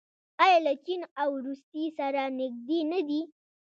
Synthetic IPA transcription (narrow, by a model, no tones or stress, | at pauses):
ajalat͡ʃinawɾust̪isaɾanɪɡ̚d̪enad̪i